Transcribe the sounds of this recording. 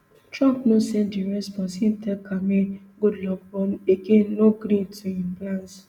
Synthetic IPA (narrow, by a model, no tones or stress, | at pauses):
tɾãmpnosɛ̃ndiɾɛsbɔsĩntʰɛkʰame | ɡudlɔk̚bɔm̩ekenoɡɾĩntuĩmplãnt